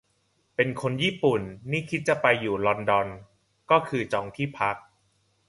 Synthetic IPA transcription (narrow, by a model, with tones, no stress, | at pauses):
pe˧nkʰo˧njiː˥˩pu˨˩nːiː˥˩kʰi˦˥t̪̚t͡ɕa˨˩pa˧jːuː˨˩lɔ˧ndɔ˧n | kɔː˥˩kʰɯː˧t͡ɕɔː˧ŋt̪ʰiː˥˩pʰa˦˥k̚